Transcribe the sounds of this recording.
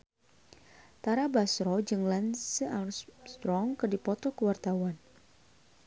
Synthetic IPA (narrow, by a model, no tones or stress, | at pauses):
t̪aɾabasɾɔd͡ʒɨŋlansəast̪ɾɔŋkɨrdipɔt̪ɔkəwart̪awan